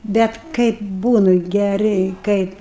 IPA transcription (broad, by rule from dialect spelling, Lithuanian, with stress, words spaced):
ˈbʲɛt ˈkɐɪp ˈbuːnʊ ɡʲɛˈrʲɛɪ ˈkɐɪp